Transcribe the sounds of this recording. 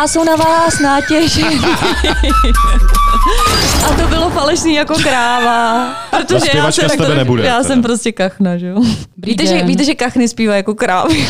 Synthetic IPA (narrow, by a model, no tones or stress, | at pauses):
ʔaso̞wnavaːsnaːcɛʒɪ | ʔat̪obɪlofalɛʃniːjako̞kɾaːvapɾot̪oʒɛjaasɛt̪ɛbɛnɛbudjaːsɛmpɾoscɛkaxnaʒɛjobiːt̪ɛʒɛviːt̪ɛʒɛkaxnɪspiːvajako̞kɾaːvɪ